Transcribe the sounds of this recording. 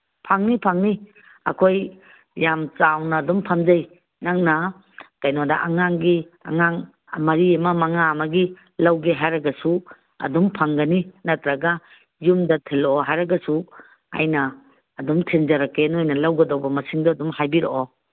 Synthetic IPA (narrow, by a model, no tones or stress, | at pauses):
pʰaŋnipʰaŋni | ɐ̰kʰoj | jamt͡ʃawnɐːdumpʰamzaj | naŋnɐ | kajnodɐ̰ʔaŋaŋɡi | ɐ̰ŋaŋ | mɐɾiɐmɐmɐŋaːmɐɡi | lawɡeɦajɾɐɡɐsu | ɐ̰dumpʰaŋɡɐninɐtɾɐɡa | jumdɐtʰilɔɦajɾɐɡɐsu | a̰jnɐː | dumtʰenzɐɾɐkenojnɐlawɡɐdawbɐmɐsiŋdɔɐdumhajbiɾoʔɔ